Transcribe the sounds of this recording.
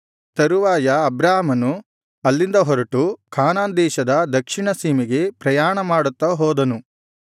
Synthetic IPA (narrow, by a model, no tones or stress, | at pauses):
t̪ɐɾuʋaːjɐːbɾaːɦmɐnu | ɐlːind̪ɐɦɔɾɐʈukʰaːnaːnd̪ɛːʃɐd̪ɐd̪ɐkʂiɳɐsiːmiɡe̞pɾɐjaːɳɐmaːɽut̪ːɐɦɔːd̪ɐnu